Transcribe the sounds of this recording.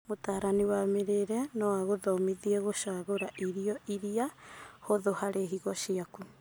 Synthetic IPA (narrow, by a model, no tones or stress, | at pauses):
motaːɾaniwameɾeɾɛnɔwaɣoðɔmiðiɛɣoʃaːɣoɾaʔiɾiɔʔiɾiahoðohaɾeɦiɣɔʃiaku